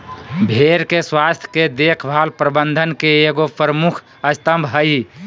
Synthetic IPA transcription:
bʱeɾkeswast̪ʰjked̪ekʰbʱalpɾəbənd̪ʱənkeeɡopɾəmukʰ | əst̪əmbʱɦəj

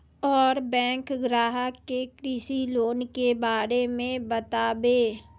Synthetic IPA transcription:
ɔːɾbɛ̃ːŋkɡɾaːɦəkːekɾiːsiloːnkebaːɾemẽbɐt̪aːbeː

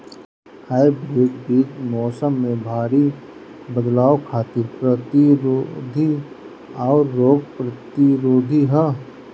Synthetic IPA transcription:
haːjbɾeːɡbiːd͡ʒmɔːsəmːẽbʱaːɾi | bəd̪laːokʰaːt̪ɪɾpɾət̪iɾod̪ʱi | aːɾːoːɡ̚pɾət̪ɪɾoːd̪ʱiɦə

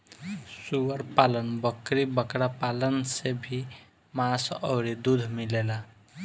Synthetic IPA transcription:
suwəɾpalənbəkɾibəkɾapalənsebʱi | masʌwɾid̪ud̪ʱmilela

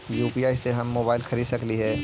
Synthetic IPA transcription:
juːpiːaːiseɦɐmːoːbaːɪlxɐɾiːd̪sɐkliɦɛː

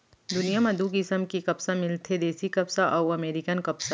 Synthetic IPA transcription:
d̪ʊnijamɐ̃d̪uːkɪsəmkikɐpsamɪlt̪ʰed̪eːsikɐpsaʔɔːwɐmeːɾɪkənkɐpsa

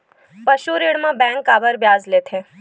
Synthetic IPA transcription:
pəʃuɾeɽmãbɛ̃ŋkːabəɾbjad͡zlet̪ʰe

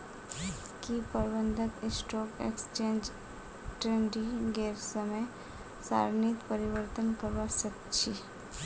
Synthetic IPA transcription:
kipəɾbə̃nd̪ʱət̪ɪsʈɔːkḛkst͡ʃẽːnd͡ʒ | ʈɾẽːɳɖiɡeːɾsəmə | sa̰ːɾnit̪pəɾɪʋəɾt̪ənkəɾʋasəkt͡ʃʰi

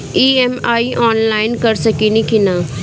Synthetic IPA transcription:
iːemaːiʔɔːnlaːɪnkɐɾsɐkinikina

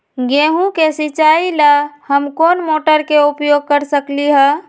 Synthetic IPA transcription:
ɡeɦũkesit͡ʃailahəmkonmoʈəɾkeupjoɡ̚kəɾsəkliɦə

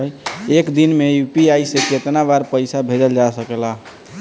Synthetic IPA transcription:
jekd̪inmejupiajseket̪nabaɾpəjsabʱed͡ʒəld͡ʒasəkela

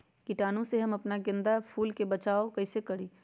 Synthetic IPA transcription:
kiʈaːnõseɦɐmɐpnaɡɪ̃nd̪apʰuːlkebɐt͡ʃaːokɐɪsekɐɽiː

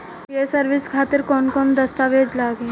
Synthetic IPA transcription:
piesəɾʋɪskʰaːt̪ɪɾkɔːnkɔnd̪ɐst̪aʋed͡ʒlaːɡe

